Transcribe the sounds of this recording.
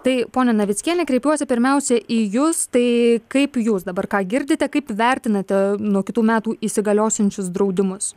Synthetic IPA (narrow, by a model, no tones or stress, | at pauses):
t̪ɐɪpoːnʲɛnɐʋʲɪt̪sʲkʲiɛnʲɛkɾʲɛɪpʲjuɔsʲɛpʲɪɾʲmʲɛʊsʲɛʔiːjʊst̪ɐɪkɐɪpjuːsd̪ɐbɐrkɑːɡʲɪɾʲd̪ʲɪt̪ʲɛkɐɪpʋʲɛɾʲt̪ʲɪnɐt̪ʲɛnuɔkʲɪt̪uːmʲæːt̪uːʔisʲɪɡɐlʲoːsʲɪnʲt͡ʃʲʊsd̪ɾɐʊd̪ʲɪmʊs